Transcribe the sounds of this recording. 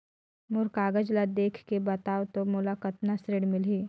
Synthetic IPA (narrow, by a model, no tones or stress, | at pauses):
mʊɾkaːɡəd͡ʒlad̪eːkʰkebɐt̪aːwt̪omolakət̪nasɾeːɽmɪlɦiː